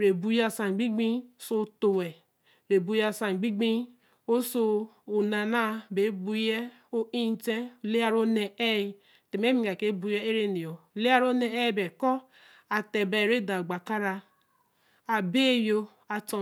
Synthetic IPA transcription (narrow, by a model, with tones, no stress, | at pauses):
ɾe˨bu˨ja˨sã˨ɡ͡bi˦ɡ͡bĩ˦so˦˨to˨wɛ˨ | ɾe˨bu˨ja˨sa˨ɡ͡bi˦ɡ͡bĩ˦ | o˦so˧o˨na˨na˦be˨˦bu˨jɛ˦ | o˦ĩ˦n˦te˦˨le˦a˦ɾo˦nɛ˨ɛ˦i˨ | te˨m˦e˦mĩ˦ɡa˨ke˦bu˨jɛ˦e˦ɾe˦ne˨o˨le˦a˦ɾo˦nɛ˨ɛ˦˨bɛ˨kɔ˦ | a˨tɛ˨bɛ˨ɾe˦da˨ɡ͡ba˨ka˦ɾa˧ | a˨be˦˨jo˧ | a˨tɔ˨